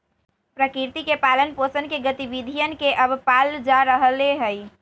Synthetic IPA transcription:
pɾəkiɾt̪ikepalənposənkeɡət̪ibid̪ʱijənkeʔəbpald͡ʒaɾəɦəleɦəj

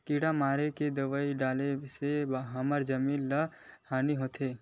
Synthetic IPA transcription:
kiːɽamaːɾeked̪ɐʋəiɖaːlesebɦaməɾd͡ʒəmiːnləhaːniɦoːt̪ʰeː

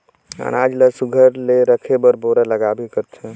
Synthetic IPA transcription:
a̰nad͡ʒləsuɡʱəɾleɾəkʰebəɾboɾaləɡabikəɾt̪ʰɛ̃

